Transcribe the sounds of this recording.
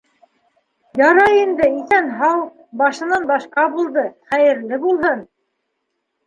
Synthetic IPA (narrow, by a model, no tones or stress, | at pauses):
jɑɾɑjind̪ɘiθænɦɑw | bɑʃɤ̆nɑnbɑʃqɑbulˠd̪ɤχæjɘ̆ɾlɘbulˠɦɤn